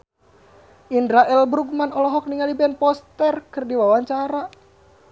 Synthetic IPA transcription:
ʔindɾaʔɛlbɾuɡ̚manɔlɔɦɔk̚niŋalibɛnpɔst̪ɛrkɨrdiwawaɲt͡ʃaɾa

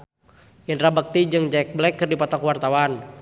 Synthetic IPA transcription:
jənrabək̚t̪id͡ʒɨŋd͡ʒɛk̚blɛkːɨrdipat̪akwart̪awan

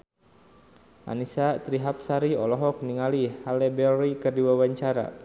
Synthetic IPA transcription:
ʔa̰nisat̪ɾiɦap̚saɾiɔlɔɦɔk̚niŋalihalɛbɛɾikɨrdiwawaɲt͡ʃaɾa̰

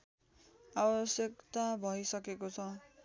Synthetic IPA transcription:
abʌsjʌkt̪abʱʌisʌkekot͡sʰʌ

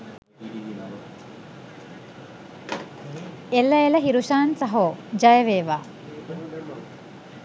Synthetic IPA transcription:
elːəeləɦiɾuʃaːnsɐɦoːd͡ʒajəʋeːʋaː

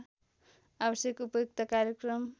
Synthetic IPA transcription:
abʌsjʌkupʌjok̚t̪ʌkaɾjekrʌm

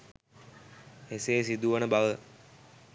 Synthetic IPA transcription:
heseːsid̪uʋənəbaʋə

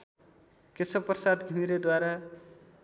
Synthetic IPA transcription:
kesʌprsad̪ɡʱimiɾed̪waɾa

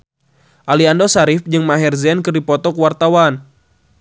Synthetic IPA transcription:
ʔaliandosaɾifd͡ʒɨŋmaɦɛrzɛnkɨrdipɔt̪ɔkuwart̪awan

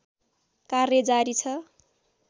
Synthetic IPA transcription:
karjʌd͡zaɾit͡sʰʌ

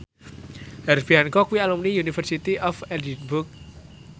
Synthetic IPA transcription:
haɾsb̥iɦankɔkuwialumniunifərsit̪iʔɔfɛldinbuk̚

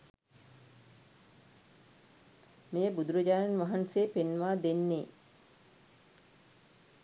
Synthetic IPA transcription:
mejəbud̪uɾəd͡ʒaːnanʋaɦanseːpenʋaːd̪enːeː

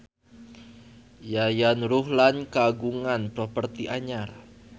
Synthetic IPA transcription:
jajanɾʊɦlankaɡuŋanpɾɔpərt̪iʔaɲar

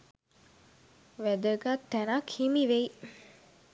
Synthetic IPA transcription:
ʋæd̪əɡat̪ːænakhimiʋej

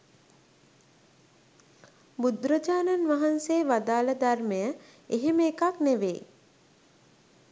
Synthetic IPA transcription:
bud̪ɾəd͡ʒaːnanʋaɦanseːʋad̪aːləd̪arməjə | eɦeməːkakneʋḛː

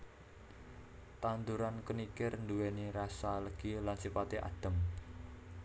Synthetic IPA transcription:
t̪and̪uɾankənikɪrnd̪uweniɾasaləɡ̥ilansipat̪eʔa̰d̪̥ə̤m

